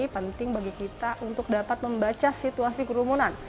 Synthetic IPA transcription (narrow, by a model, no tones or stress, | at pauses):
ipənt̪ɪŋbaɡikit̪aʔunt̪ʊk̚dapat̪̚məmbat͡ʃasit̪uasikəɾumunan